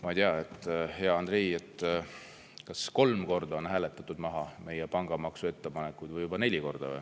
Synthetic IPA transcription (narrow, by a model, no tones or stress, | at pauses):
mɑt̪eɑet̪ˑːhe̞ɑɑnd̪ɾejet̪ːˑ | kɑsko̞lmko̞rd̪ɑo̞nɦæːle̞t̪ːˑɑt̪ːˑud̪̥mɑɦɑme̞jepɑŋɡ̥ɑmɑksue̞t̪ːepɑne̞kːˑujd̪vɯjːubɑne̞lʲiko̞rd̪̥ɑ̰vḛ